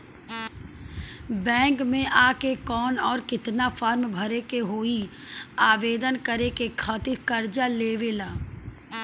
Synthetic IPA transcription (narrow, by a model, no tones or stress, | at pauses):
bɛ̃ːŋkmẽʔaːkekɔːnɔːɾkɪt̪nafaːɾmbʱɐɾekeɦoːi | aːʋeːd̪ənkɐɾekekʰaːt̪ɪɾkɐɾd͡ʒaleːʋelaː